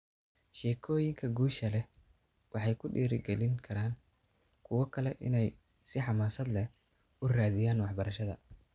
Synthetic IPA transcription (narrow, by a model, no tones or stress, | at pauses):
ʃɛːkʰɔːjɪŋkʰɐɡuːʃɐlɛ | wʔɑħɑjkʰʊɖiːɾɪɡɛlɪŋkʰɐɾaːn | kʰʊwɔkʰɐlɛʔɪ̰nɛj | sɪħɑmaːsɐd̪lɛ | ʊraːðɪjaːnwɑħbɐɾɐʃɐðɐ̰